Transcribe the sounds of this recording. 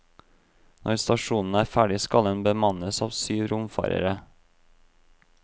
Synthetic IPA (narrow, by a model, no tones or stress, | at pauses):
nʔɔɾst̪ɑʃuːnn̩əæːɾfæːɖɪskɑlɛnbəmɑnəsɑːʋsyːʋɾʊmfɑ̰ːɾə̰ɾə